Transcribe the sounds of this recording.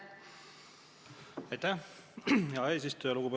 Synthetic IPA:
ɑjt̪æ | jɑeːsist̪oɑluɡ̥ube

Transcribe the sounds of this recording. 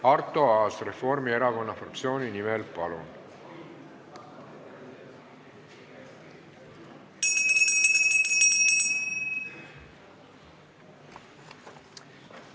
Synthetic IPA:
ɑrt̪o̞ɑːsrefo̞rmie̞ɾɑko̞nːɑfrɑkt̪sio̞ːninimɛlpɑlun

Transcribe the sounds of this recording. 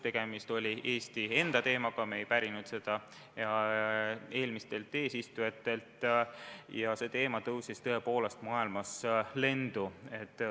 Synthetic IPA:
t̪e̞ɡ̥e̞mist̪o̞lʲie̞ːst̪ie̞nd̪̥ɑt̪e̞ːmɑɡ̥ɑmejpæɾinud̪̥se̞d̪̥ɑ | jɑ | e̞ːlmist̪e̞lt̪ːˑe̞ːsist̪ujɑt̪ːˑe̞lt̪ː | jɑse̞t̪e̞ːmɑt̪ɤwsist̪ɤe̞po̞ːle̞st̪mɑːilmɑsle̞nd̪̥ue̞t̪ːˑ

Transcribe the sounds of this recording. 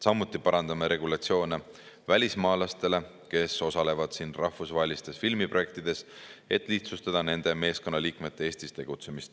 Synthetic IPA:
sɑmːut̪ːˑipɑɾɑnd̪ɑmeɾe̞ɡ̥ulɑt̪sio̞ːne | vælʲismɑːlɑst̪e̞le̞ | ke̞so̞sɑle̞vɑd̪̥sinrɑhfusvɑɦe̞list̪e̞sfilmiproe̞k̚t̪id̪̥e̞se̞t̪ːˑliht̪sust̪ɑd̪̥ɑne̞nd̪̥e̞me̞ːsko̞nːɑliːkme̞t̪ːeeːsʲt̪ist̪e̞ɡ̥ut̪se̞mist̪

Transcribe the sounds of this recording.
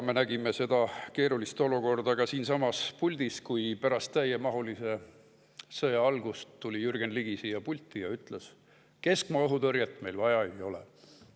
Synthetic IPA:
menæɡ̥imese̞d̪̥ɑke̞ːɾulist̪o̞luko̞rd̪ɑɡ̥ɑsiːnsɑmɑspulʲd̪̥iskujpæɾɑst̪ːæjemɑɦulise̞ | sɤjɑɑlɡust̪ːulʲijyrɡ̥enliɡ̥isijɑpulʲt̪ːˑijɑyt̪ːˑles | ke̞skmɑɤɦut̪ɤɾjɑt̪ːˑme̞jlvɑjɑejo̞lḛ

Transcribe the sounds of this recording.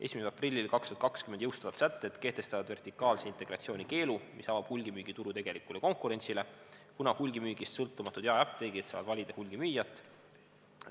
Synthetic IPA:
e̞̰sʲmiseɑprilʲːilkɑkst̪uɑt̪kɑkskymend̪jɤwst̪ɑvɑt̪sæt̪ːe̞t̪ke̞ht̪e̞st̪ɑvɑd̪̥ve̞rt̪ikːˑɑːlseint̪ˑe̞ɡ̥rɑt̪sio̞ːnʲike̞ːlumisɑvɑb̥hulʲɡimyːɡ̥it̪uɾut̪e̞ɡ̥e̞likːˑuleko̞ŋkuɾe̞nʲsile̞kunɑhulʲɡimyːɡ̥ist̪sɤlt̪ːˑumɑt̪ːˑud̪jɑɑp̚t̪eːɡ̥it̪sɑːvɑd̪vɑlʲid̪̥ehulʲɡ̥imyːjɑt̪ːˑ

